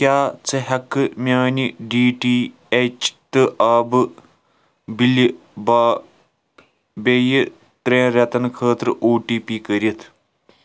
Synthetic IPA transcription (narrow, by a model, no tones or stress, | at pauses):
kʲjaːt͡sɐɦɐkːɨmʲaːniɖiːʈiː | et͡ʃt̪ɨʔaːbɨ | bil | baː | bejɨ | t̪ɾeːɾʲɐt̪ɐnkʰəːt̪ɾɨʔoːʈiːpiːkɐɾit̪ʰ